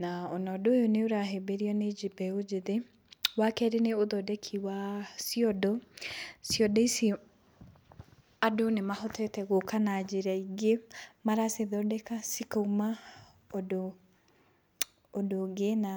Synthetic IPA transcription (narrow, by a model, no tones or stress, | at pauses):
naɔnɔdojoneoɾaɦebeɾiɔned͡ʒibɛod͡ʒeðe | wakɛɾeneoðɔdɛkʰiwasiɔdɔ | siɔdɔisi | adonemahɔtʰɛtɛɣokanad͡ʒeɾaiɡemaɾaseðɔdɛkasikauma | odo | doɡena